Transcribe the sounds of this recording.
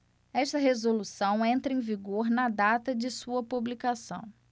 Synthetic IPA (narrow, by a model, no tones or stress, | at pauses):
ɛʃt̪ɐɦezolusɐ̃w̃ẽnt̪ɾɐẽviɡoɾnɐd̪at̪ɐd͡ʒɪsuɐpublikasɐ̰̃w̃